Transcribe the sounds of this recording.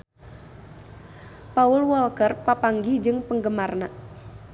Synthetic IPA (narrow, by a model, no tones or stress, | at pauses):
paʊlwɔlkərpapaŋɡid͡ʒɨŋpəŋɡəmarna